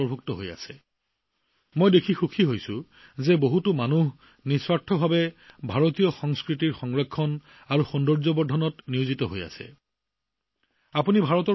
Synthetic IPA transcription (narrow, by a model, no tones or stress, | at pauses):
ɔɹbʱuktɔɦo̰ja̰sɛ | mojdekʰixukʰiɦojsʊ | zɛboɦutumanuɦ | niswatʰːɔbʱabɛbʱaɹɔtijɔxɔŋskɹitiɹxɔŋɹɛkʰːɔn | aɹuxɔndɔɹzɔbɔɹdʱɔnɔtniuzitɔɦoja̰sɛ̰ | apunibʱaɹɔtɔ